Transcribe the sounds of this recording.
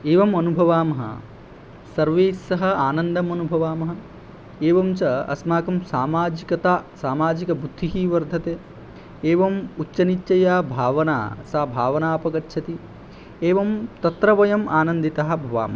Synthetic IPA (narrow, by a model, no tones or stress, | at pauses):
eːʋɐmɐnubʱɐʋaːmɐɦɐ̰ | sɐɾʋeːsːɐɦɐ̆aːnɐnd̪ɐmɐnubʱɐʋaːmɐɦɐ | eːʋɐmt͡ʃɐɐ̰smaːkɐmsaːmaːd͡ʒikɐt̪aːsaːmaːd͡ʒikɐbud̪ʱːiɦiːʋɐɾd̪ʱɐt̪eː | eːʋɐmut͡ʃːɐnit͡ʃːɐjaːbʱaːʋɐna̰ːsaːbʱaːʋɐnaːɐpɐkɐtːʃʰɐt̪i | eːʋɐmt̪ɐt̪ɾɐʋɐjɐmaːnɐnd̪it̪ɐɦɐ̆bʱɐʋa̰ːmɐɦɐ